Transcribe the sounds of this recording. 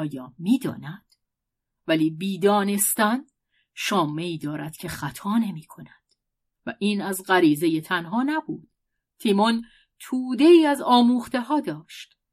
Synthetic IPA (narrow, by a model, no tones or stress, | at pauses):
ɒːjɒːmiːd̪ɒ̰ːnæd̪̥ | væliːbiːd̪ɒːne̞st̪æn | ʃɒːmːeiːd̪ɒːɾæd̪̥cʰe̞xæt̪ʰɒːne̞miːkʰo̞næd̪̥ | væ̰ʔiːnæzɢæɾiːze̞je̞t̪ʰænɦɒːnæbṵːd̪̥ | t̪ʰiːmon | t̪ʰuːd̪e̞iːæzɒːmuːχt̪e̞ɦɒːd̪ɒːʃt̪